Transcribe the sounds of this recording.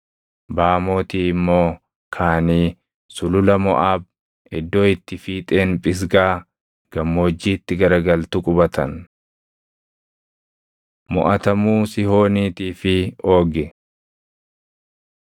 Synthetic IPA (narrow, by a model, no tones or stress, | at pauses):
baːmo̞ːt̪iːmːo̞ː | kʰaːniː | sʊlʊlɐmɔ̰ʔaːb̚ | ɪd̪ːo̞ːɪt̪ːɪfiːt̪ʼe̞ːnpʼɪs̬ɡaː | ɡ̥ɐmːo̞ːd͡ʒːiːt̪ːɪɡɐɾɡɐlt̪ukʼʊbɐt̪ʰɐ̰n | mɔʔɐt̪ɐmuːsɪho̞ːniːt̪iːfɪo̞ːɡɪ